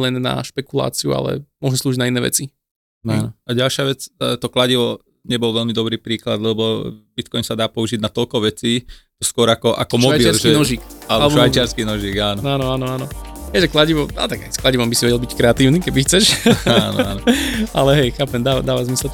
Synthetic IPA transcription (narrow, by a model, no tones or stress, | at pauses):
lɛnːa̰ʃpɛkula̰ːt͡siṵa̰lɛ̰mɔʒnɛsluːʒiɟnainɛːʋɛ̰t͡si | aːnɔaɟalʃɪaʋɛt͡sːt̪ɔklaɟiʋɔ | ɲɛbɔlʋɛlmid̪ɔbɾiːpɾiːklad̪lɛbɔbit̪kɔjnsad̪aːpɔuʒiɟnat̪ɔlkɔʋɛt͡siːt̪ɔskʊɔɾakɔʔa̰kɔmɔabiɪaɾlsʒiːɛnɔʒiːkalɛbalɔɛʃbɔʋajt͡ʃɪaɾskiːnɔʒiːɡaːnɔaːnɔaːnɔaːnɔɦɛjʒɛklaɟiʋɔma̰t̪aɡɛsklaɟiʋɔmbisiʋɛɟɛlˠbickɾɛat̪iːʊnikɛbixt͡sɛʃanɔ̰anɔa̰lɛɦɛjxaːpɛmd̪aːʋad̪aːʋazmisɛl